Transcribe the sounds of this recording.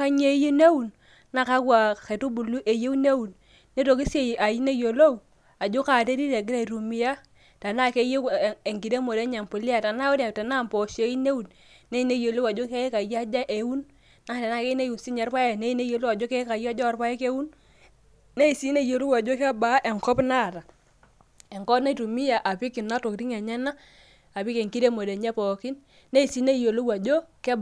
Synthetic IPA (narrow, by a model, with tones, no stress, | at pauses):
a˦ɲe˦ji˦ne˦wu˨n | na˦˨ka˦kwa˨ke˨tu˦bu˨lu˦ʔe˨je˦wne˦wu˨n | ne˦to˨ki˦se˨a˨ji˦ne˦jo˨lo˦w | a˨d͡ʒo˦ka˨te˦ɾi˦ɾe˨ɡ̬i˦ɾe˨ɾu˨mi˨ja˦ | ta˨na˦˨ke˦je˦˨e˨ŋɡi˨de˦mo˨de˦ɲa˨mpo˨li˦a˨ta˨na˦wo˦da˨ta˨na˦˨mpɔ˨ʃe˨˦i˦ne˦wu˨n | ne˦i˦ne˦jo˨lo˦wa˨d͡ʒo˦ke˦ka˨ja˦d͡ʒa˦ʔe˨˦wu˦n | na˦˨tɛ˨na˦˨ke˦i˦ne˦ju˨nsi˦ɲɛ˨˦ɾpa˦je˦˨ne˦i˦ne˦jo˨lu˦wa˨d͡ʒo˦kɛ˦ka˨ja˦d͡ʒɔ˦a˨ɾpa˦je˦ke˦wu˦n | ne˦i˨si˦ne˦jo˨lu˦wa˨d͡ʒo˦kɛ˦ba˨˦ʔɛ˨ŋkɔ˦pna˦˨ta˨ | ɛ˨ŋkɔ˦na˦tu˨mi˦ja˨ʔa˨pi˦ki˨na˦to˨kɾi˦ŋɛ˨ɲɛ˦na˦ | a˨pi˦ke˨ŋki˦ɾe˦mo˨de˨ɲɛ˦pɔ˨ki˦n | ne˦i˨si˦ne˦jo˨lu˦wa˨d͡ʒo˦kɛ˦b